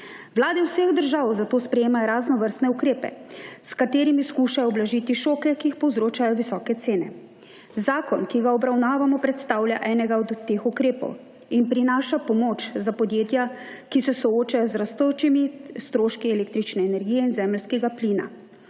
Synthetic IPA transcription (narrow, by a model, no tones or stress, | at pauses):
ʋlaːd̪ɛwseɣd̪əɾʒaːwzat̪oːspɾɛjeːmajɔɾaːznɔʋəɾst̪nɛukɾeːpɛ̰skat̪eːɾimiskuːʃajɔɔblaʒit̪iʃoːkɛkiːxpɔwzɾoːt͡ʃajɔʋisɔːkɛt̪seːnɛ̰ | zaːkɔnkiɡaɔbɾawnaːʋamɔpɾɛt̪st̪aːwlja̰ʔɛːnɛɡaɔd̪ːexukɾeːpɔ̰w | inpɾinaːʃapɔmoːt͡ʃzapɔd̪jeːt̪ja | kisɛsɔoːt͡ʃajɔzɾast̪ot͡ʃimist̪ɾoːʃkiɛleːk̚t̪ɾit͡ʃnɛɛnɛɾɡiːjɛinzɛːməlskɛɡapliːna̰